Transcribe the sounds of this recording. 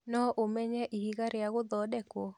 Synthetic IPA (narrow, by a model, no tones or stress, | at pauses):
nɔʔomɛɲɛʔihiɡaɾɪaɣʊd̪ɔdɛkwɔ